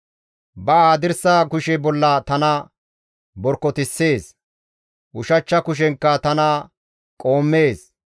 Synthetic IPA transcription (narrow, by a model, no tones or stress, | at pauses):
bɐaːd̪ɪɾsaːkʊʃɛbɔlːɐt̪ɐnɐ | bɔɾkːɔt̪ɪsːe̞ːs | ʔʊʃɐt͡ʃːɐkʊʃ̬ɛŋkːɐt̪ɐnɐ | kʼo̞ːmːe̞ːs